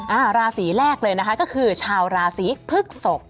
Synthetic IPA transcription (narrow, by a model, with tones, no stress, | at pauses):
ʔaː˧˩ɾaː˧siː˩˦ɾɛː˥˩k̚lɤː˧jna˦˥kʰa˦˥kɔː˥˩kʰɯː˧t͡ɕʰaː˧wɾaː˧siː˩˦pʰɯ˥˩k̚so˨˩k̚